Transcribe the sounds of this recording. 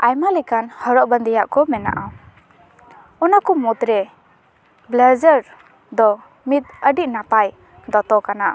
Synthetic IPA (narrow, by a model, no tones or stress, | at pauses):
ajmalikanhɔɾɔʔ̚bənd̪ijaʔkɔmɛna̰ʔaw | ɔnakɔmɔt̪ɾɛ | blad͡ʒəɾ | d̪ɔ | mit̪̚əɖiʔ̚napaj | d̪ɔt̪ɔkana